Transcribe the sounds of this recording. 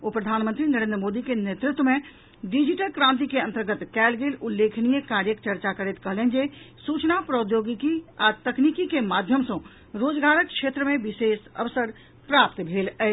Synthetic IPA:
opɾəd̪ʱanmənt̪ɾinəɾẽnd̪ɾəmod̪ikenet̪ɾɪt̪wəme | ɖid͡ʒiʈəlkɾãnt̪̬ikeənt̪əɾɡət̪kɛːlɡelulːekʰnijəkaɾjəkt͡ʃəɾt͡ʃakəɾɛt̪kəɦlend͡ʒe | sut͡ʃnapɾəd̪joɡikiat̪əknikikemad̪ʱjəmsə̃ | ɾod͡ʒɡaɾək̚kʃet̪ɾəmẽbisesə̰ʋsəɾ | pɾap̚t̪bʱelɛ

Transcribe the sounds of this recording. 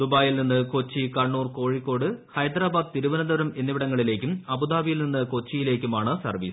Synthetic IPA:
d̪ubaːjilninːɨko̞t͡ɕːikɐɳːuːrko̞ːɻikʲːo̞ːɽɨhɐjd̪ɾaːbaːd̪t̪iɾuʋɐnɐd̪ɐʋɾɐme̞nːiʋiɽɐŋːɐɭile̞ːkʲːumɐbud̪aːʋijilninːɨko̞t͡ɕːijile̞ːkʲːumaːɳɨsɐ̰rʋḭːs

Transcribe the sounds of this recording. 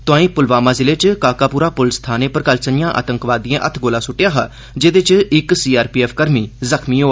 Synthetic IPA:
t̪ʊãːĩːpʊlʋaːmaːzɪleːt͡ʃkaːkaːpuːɾaːpʊlst̪ʰaːneːpəɾkəlt͡ʃənɪjãːʔa̰ːt̪əŋkʋaːd̪iã̰ːʔət̪ʰɡoːlãːsʊʈːɪjaːɦaː | d͡ʒeːd̪ɪt͡ʃɪksiːaːɾpiːɛːpʰkəɾmiːzəkʰmiːɦoː

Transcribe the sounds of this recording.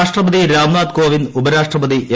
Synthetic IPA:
ʂʈrɐbɐd̪iɾaːmnaːd̪koːʋinubɐɾaːʂʈrɐbɐd̪iʔe

